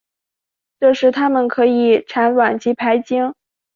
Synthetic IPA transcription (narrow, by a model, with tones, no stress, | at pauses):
ʈ͡ʂɤ˥˧ʂɻ̩˥˩t̪ʰa˥mə˨nkʰɤ˧˥i˨˩˦ʈ͡ʂʰa˧˥nwa˨˩nt͡ɕi˧˥pʰa˧˥ɪt͡ɕi˥ŋ